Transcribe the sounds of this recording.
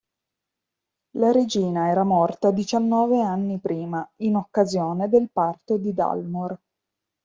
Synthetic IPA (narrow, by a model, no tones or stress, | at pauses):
laɾed͡ʒiːnaɛːɾamɔrt̪ad̪it͡ʃanːɔːveanːipɾiːmainokːazjoːned̪elpart̪od̪id̪a̰lmor